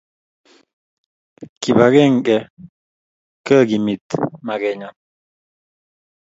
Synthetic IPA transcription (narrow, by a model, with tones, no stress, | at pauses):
ki˨ba˨ɡɛ˦˨ŋ˨kɛ˨ | kə˦˨ɡi˨mi˨t̪ma˨ɡɛ˨ɲa˨